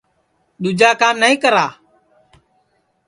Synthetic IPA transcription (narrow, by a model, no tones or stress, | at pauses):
ɗ̪ʊd͡ʒaːkaːmnəĩːkəɾaː